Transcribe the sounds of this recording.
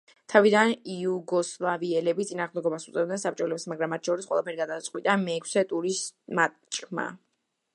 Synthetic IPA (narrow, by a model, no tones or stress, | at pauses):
t̪ʰavid̪aniuɡɔslˠaviɛlɛbit̪sʼinaːʁmd̪ɛɡɔbasut̪sʼɛvd̪nɛnsap̚ʼt͡ʃʼɔlɛpsmaɡɾamːat̪̚ʰʃʰɔɾisqʼwɛ̰lˠapʰɛɾiɡad̪at̪sʼqʼwit̪ʼamɛːkʰsɛt̪ʼuɾisma | t͡ʃʼkʰma̰